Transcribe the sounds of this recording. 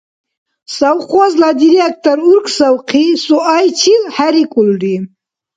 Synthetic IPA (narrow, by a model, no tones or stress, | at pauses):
sawχɔzlad̪iɾɛk̚ʰt̪ʼɔɾuɾkʼsawqʰisuajt͡ʃʰilħaɾikʼulɾi